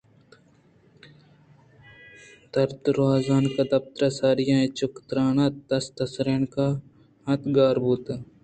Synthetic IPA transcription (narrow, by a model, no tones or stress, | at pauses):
d̪ɐɾt̪ɾaːzaːnkɐd̪ɐp̚t̪ɾɐsaːɾijãet͡ʃʊkt̪ɾaːnat̪t̪ːɐst̪ɐsɾeːnka | ɦɐt̪ɡaːɾbuːt̪